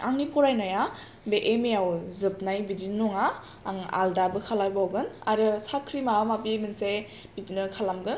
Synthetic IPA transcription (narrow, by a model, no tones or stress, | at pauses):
aŋnipʰɔɾajnaja | beʔemejawzɯp̚najbidinːɔŋaː | ŋa̰ldabɯkʰalawbawɡɯnaɾɯsakʰɾimamapibɯnse | b̥itinɯkʰalamɡɯn